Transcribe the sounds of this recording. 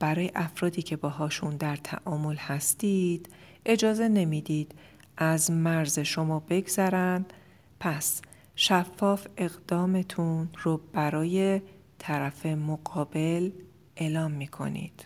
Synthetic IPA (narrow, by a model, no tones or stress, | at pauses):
b̥æɾɒːjeʔæfɾɒːd̪iːcʰe̞bɒːɦɒːʃund̪æɾt̪ʰæ̰ʔɒːmo̞lhæst̪iːd̪̥ʔe̞d͡ʒɒːze̞ne̞mid̪iːd̪̥ | ʔæzmæɾze̞ʃo̞mɒːbe̞ɡzæɾænd̪ | pʰæs | ʃæfːɒːfe̞ɣd̪̥ɒːme̞t̪ʰunɾob̥æɾɒːje̞ | t̪ʰæɾæfe̞moɡɒːbe̞l | ʔe̞ːlɒːmːiːkʰo̞̰nḭːd̪̥